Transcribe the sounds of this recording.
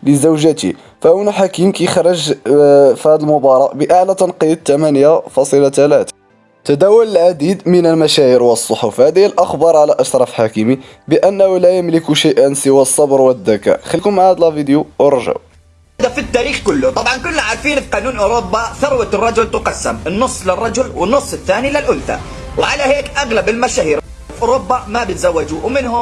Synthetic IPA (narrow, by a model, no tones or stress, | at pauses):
ləzəwʒæt̪ḭ | fæʔunaħakimkixɑɾˤɑʒ | fæd̪əlmʊbɑɾˤɑʔbəʔaʕlæt̪ɑnqid̪̚t̪ːæmænjafɑsˤəlat̪ælæt̪ | t̪æd̪æwʊləlʕad̪id̪mənəlmæʃæiɾwəsˤːoħofhæd̪əlʔɑxbɑɾˤʕalæʔɑʃɾˤɑfħakəmi | bəʔænːæhʊlæjəmlɪkuʃajʔænsəwæsˤːɑbɾˤwəd̪ːæka̰ʔxəlːikʊmʕad̪lɑvid̪juʔʊɾˤʒa̰w | hd̪æfit̪ːæɾiːxkʊlːʊt̪ˤɑbʕɑnkʊnːaʕaɾˤfiːnfiqɑnuːnʔʊɾobːaθɑɾˤwət̪rˤːɑd͡ʒʊlt̪ʊqɑsːə̰mənːʊsˤːlərˤːɑd͡ʒʊlwənːʊsˤːət̪ːænilɪlʔʊnθa̰ | wʕalæhekʔaɣlæbəlmæʃæhiːɾ | fʔʊɾobːamæbət̪zæwːæd͡ʒuwmənhʊ